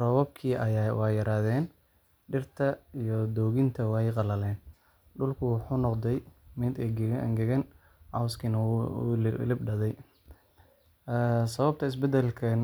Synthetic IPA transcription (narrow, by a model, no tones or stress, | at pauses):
rɔβɐb̚kʰiːʔɐjaːwɑːjɐɾaːðɛːn | ɖɪrt̪ʰɐijɔd̪ɔːɣɪnt̪ʰɐwɛjqɑlɐlɛːn | ɖʊlkʰʊwʊħuːnɔqd̪ɛjmɪd̪ɡ̰ŋɡɛɣɐn | ʕɑwskʰinɐ̰ | lɪbɖɐðɛj | sɐβɐb̚t̪ʰɐɪs̬bɛd̪ɛlkʰɐ